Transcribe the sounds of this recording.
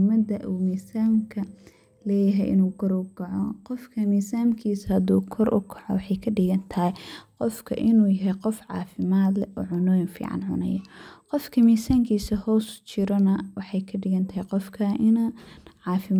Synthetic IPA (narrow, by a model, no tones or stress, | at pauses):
mɐd̪ɐʔuːmiːsaːmkʰɐ | lɛːjɐɦɛjʔɪ̰nuːkʰɔɾʊkʰɐʕɔqɔfkʰɐmiːsaːmkʰiːshɐd̪ṵːkʰɔɾʔʊ̰kʰɐʕɔ̰wɑħɑjkʰɐɖɪɣɐnt̪ʰɐhjqɔfkʰɐ̰ʔɪnuːjɐɦɛjqɔfʕɑ̰ːfɪmaːd̪lɛʔɔːʕʊnɔːjɪnfḭːʕɑ̰nʕʊ̰nɐ̰jɔqɔfkʰɐmiːsaːŋkʰiːsɐhɔːst͡ʃʰɪɾɔnɐwɑħɑjkʰɐɖɪɣɐnt̪ʰɐɦjqɔfkʰɐʔɪnɐʕɑːfɪm